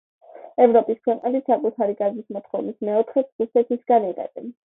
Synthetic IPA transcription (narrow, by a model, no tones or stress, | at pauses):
ɛvɾɔpʼiskʰwɛqʼnɛlisakʼut̪ʰaɾiɡazismɔt̪ʰχɔvnismɛɔt̪ʰχɛɾusɛt̪ʰisɡ̥aniʁɛ̰b̪ɛn